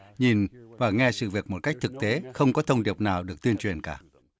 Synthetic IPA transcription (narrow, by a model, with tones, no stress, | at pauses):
ɲi˨˩nvaː˨˩ŋɛ˧sɨ̰˧˨vi˨˩ək̚mo˨˩t̚ka˦˥jk̟̚t̪ʰɨ˨˩k̚t̪e˨˦xə˧wŋ͡mkɔ˨˦t̪ʰə˧wŋ͡mɗi˨˩əp̚naː˨˩wɗɨ˨˩ək̚t̪wi˧nt͡ɕwi˨˩ənkaː˧˩